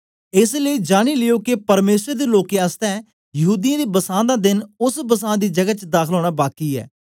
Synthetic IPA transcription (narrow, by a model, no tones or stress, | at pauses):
ɪsləiːd͡ʒaːɽ̃iːlɪjoːkepəɾmeːsɾed̪eːloːkẽast̪ɛ̃ː | jəɦuːd̪ijãːd̪eːbəsãːd̪aːd̪ɪnʊsbəsãːd̪iːd͡ʒəɡaːt͡ʃd̪aːkʰəloːɽaːbaːkiːɛ̰ː